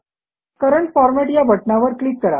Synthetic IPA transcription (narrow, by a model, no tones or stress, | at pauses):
kəɾəɳʈfɔɾmɛʈjabʱəʈnaʋəɾkliːkːəɾa̰